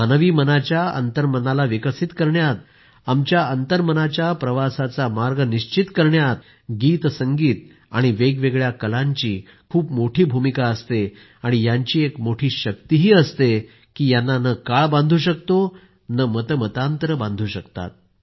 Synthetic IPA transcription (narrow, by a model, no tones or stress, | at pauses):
anʋiːmənat͡ɕjaə̰nt̪əɾmənalaʋikəsit̪kəɾɳjat̪̚ | amt͡ɕjaənt̪əɾmənat͡ɕjapɾəʋasat͡samaɾɡəniɕt͡ɕit̪kəɾɳjat̪̚ | ɡiːt̪səŋɡiːt̪ | a̰ɽ̃iʋeɡʋeɡɭjakəlãɲt͡ɕiː | kʰuːpmoʈʰiːbʱumikaəst̪e | aɽ̃ijaɲt͡ɕiːekmoʈʰiːɕək̚t̪iɦiːəst̪e | kiːjanːanəkaɭbãnd̪ʱuɕək̚t̪o | nəmət̪əmət̪ant̪ɾəbãnd̪ʱuːɕəkt̪a̰t̪̚